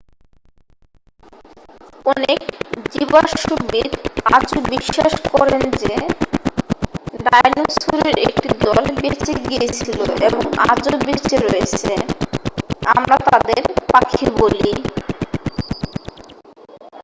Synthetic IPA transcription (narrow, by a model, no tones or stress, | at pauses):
ɔnekd͡ʑibaʃubid̪ad͡ʑobiʃːaʃkɔɾend͡ʑe | ɖajnusʰuɾeɾek̚ʈid̪ɔlbet͡ɕeɡijet͡ɕʰiloʔeboŋa̰d͡ʑobet͡ɕeɾojet͡ɕʰe | amɾat̪ad̪eɾpakʰiboli